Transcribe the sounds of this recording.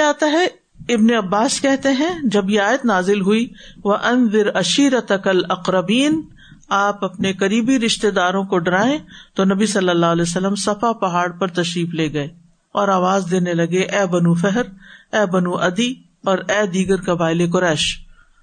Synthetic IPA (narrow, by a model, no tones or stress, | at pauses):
aːt̪aɦɛ | ɪbneɐbːaːskɛɦt̪eɦɛ̃d͡ʒɐbjeaːjət̪naːzɪlɦʊiʋɐʔɐnðɪɾɐʃiːɾɐt̪ɐkɐlɐqɾɐbiːn | aːpɐpnekɐɾiːbiɾɪʃt̪ed̪aːɾõkoɖɐɾaːẽt̪onɐbisɐlːəlːaːɦlɛeːsɐlːəmsɐfapɐɦaːɽpɐɾt̪ɐʃɾiːfleːɡɐeː | ɔːɾaːʋaːzd̪eːnelɐɡeʔɛːbɐnufɛɦɾɛːbɐnuʔɐd̪i | ɔːɾɛːd̪iːɡəɾkɐbaːɪlek̬ʊɾɛːʃ